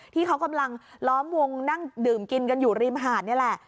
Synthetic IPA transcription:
t̪ʰiː˥˩kʰa˦˥wka˧mla˧ŋlɔː˦˥mwo˧ŋna˥˩ŋdɯː˨˩mki˧nka˧njuː˨˩ɾi˧mʔɦaː˨˩t̪̚ni˥˩˨lɛ˨˩ʔ

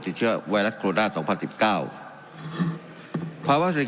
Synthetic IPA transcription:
t̪i˨˩t̪̚t͡ɕʰɯ˥˩ɐwa˧jɾa˦˥t̪̚kʰɾoː˧daː˥˩sɔː˩˦ŋpʰa˧nsi˨˩p̚kaː˥˩w | pʰaː˧waː˥s

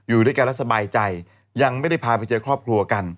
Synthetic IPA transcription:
juː˨˩du˥˩kaː˧nɾa˦˥t̪̚sa˧baː˧jt͡ɕa˧jː | a˧ŋma˥˩jda˥˩jpʰaː˧pa˧jt͡ɕɤː˧kʰɾɔː˥˩p̚kʰɾu˧ɐka˧n

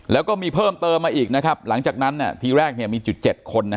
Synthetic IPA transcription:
lɛː˦˥wkɔː˥˩miː˧pʰɤː˥˩mt̪ɤː˧mːaː˧ʔiː˨˩k̚na˦˥kʰa˦˥p̚la˩˦ŋt͡ɕaː˨˩k̚na˦˥nːi˥˩ɐt̪ʰiː˧ɾɛː˥˩k̚ni˥˩miː˧t͡ɕu˨˩t̪̚t͡ɕe˨˩t̪̚kʰo˧nːa˦˥

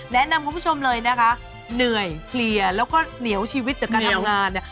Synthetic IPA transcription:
nɛ˦˥ʔna˧mku˧pʰu˥˩t͡ɕʰo˧mlɤː˧jna˦˥kʰa˦˥ʔ | nɯ˨˩əjpʰli˨˩əlɛː˦˥wkɔː˥˩ni˨˦əwt͡ɕʰiː˧wi˦˥t̪̚t͡ɕaː˨˩kaː˧nt̪ʰŋaː˧nːa˦˥

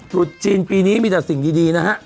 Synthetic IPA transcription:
t͡ɕu˨˩t̪̚t͡ɕiː˧npiː˧niː˦˥miː˧˩t͡ɕa˨˩k̚si˨˩ŋdiː˧diː˧na˦˥ha˦˥ʔ

